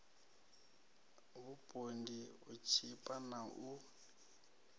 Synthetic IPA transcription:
βupʼondiut͡ʃʰipʼanaʔu

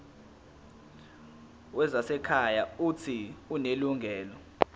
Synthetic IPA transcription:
wɛzasɛkʰajautʰiuneluŋʱɛːlɔ

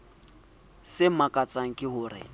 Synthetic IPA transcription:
sɪmakʼat͡sʼaŋ̩kʼɪhʊːrɪ̰

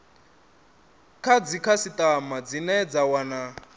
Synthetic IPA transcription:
kʰad͡zikʰasit̪ʼamad͡zinɛd͡zawana

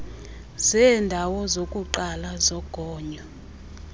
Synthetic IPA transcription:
zɛːndʱawɔzokʼuǃalazɔɡ̥ʱɔːɲɔ

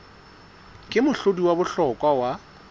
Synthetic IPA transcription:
kʼɪmʊɬodiwabʊɬɔkʼwawa

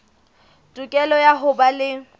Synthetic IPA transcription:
tʼukʼɛlɔjaɦʊbalɪ

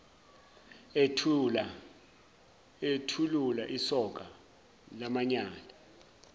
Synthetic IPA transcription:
etʰululaʔisɔk̬ʼa | lamaɲaːla

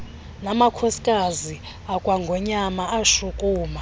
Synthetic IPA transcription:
namakʰosi̥kʼazi | akʼwaŋɡʱɔɲamaaʃukʼuːma

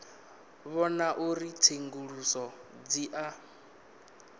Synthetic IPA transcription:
βɔnaʔuɾit͡sʰeŋɡuɺusɔd͡ziʔa

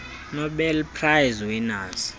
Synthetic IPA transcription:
nɔɓɛlpʰrajzwɛnaːsi̥

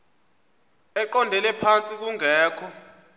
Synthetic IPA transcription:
ɛǃɔndʱɛlɛpʰant͡sʼik̬uŋɛːkʰɔ

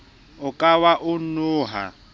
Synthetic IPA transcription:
ʊkʼawaʔʊnʊːɦa̰

